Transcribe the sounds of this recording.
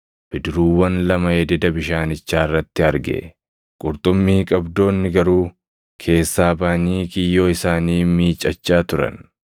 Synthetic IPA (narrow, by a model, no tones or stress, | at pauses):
b̥ɪd̪ɪɾuːwːɐnlɐmɐjɛd̪ɛd̪ɐbɪʃaːnɪt͡ʃːaːɪrːɐt̪ːɪɐɾɡɛ̰ | kʼʊɾt̪ʼʊmːiːkʼɐbd̪o̞ːnːɪɡɐɾuː | kʰe̞ːsːaːbaːniːkɪjːo̞ːɪsaːniːmiːt͡ʃʼɐt͡ʃːaːt̪ʊɾɐ̰n